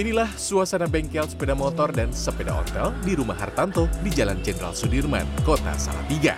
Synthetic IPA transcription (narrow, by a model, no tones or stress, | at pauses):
inilahsuasanabɛŋkɛlsə̥pedamɔt̪ɔrdansəpeda̰ʔɔ̰t̪ɛldiɾumaɦart̪ant̪odid͡ʒaland͡ʒɛnɾa̰lsudirma̰nkot̪a̰sa̰la̰t̪iɡa̰